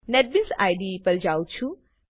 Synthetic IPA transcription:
neʈ̚binsajɖipəld͡ʒawt͡ʃʰu

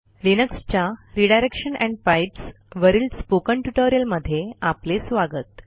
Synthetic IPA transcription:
linəkst͡ɕjaɾiɽajɾekʂənɛ̃ɳɖ̚pajps | ʋəɾiːlspokəɳʈuʈoɾijəlməd̪ʱːjeaplesʋaɡət̪

